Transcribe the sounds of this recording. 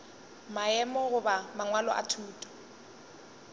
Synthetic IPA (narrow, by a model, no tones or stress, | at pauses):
maɛmɔɣʊbamaŋwalɔʔa̰tʰuːtʼɔ̥